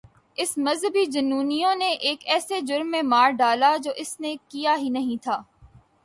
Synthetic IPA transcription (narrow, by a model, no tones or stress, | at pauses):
ɪsmɐzɦəbid͡ʒɐnːuːnijõneʔeːkɛːsed͡ʒʊɾmːẽmaːɾɖaːlad͡ʒoːʔɪsnekijaɦinɐɦĩt̪ʰaː